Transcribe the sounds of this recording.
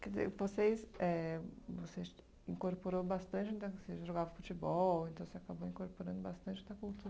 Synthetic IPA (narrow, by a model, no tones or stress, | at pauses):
kɛdzḛɾvosesɛvoses | ĩŋkoɾpoɾowbast̪ɐ̃nt͡ʃɪ̃d̪ɐseʒoɡavɐfut͡ʃɪbɔwẽnt̪ɐ̃w̃seakabowĩkoɾpoɾɐ̃nd̪ʊbast̪ɐ̃t͡ʃɪd̪ɐkuwt̪uɾɐ